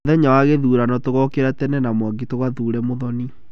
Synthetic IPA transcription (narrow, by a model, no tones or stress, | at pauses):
ðɛɲawaɣeðuːɾanɔtoɣɔkeɾatɛnɛnamwaɡitoɣwaðuːɾɛmoðɔni